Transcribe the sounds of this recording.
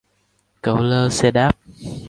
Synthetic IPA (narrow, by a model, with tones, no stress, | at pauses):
kə̰˧˩wləː˧sɛ˧ɗaː˦˥p̚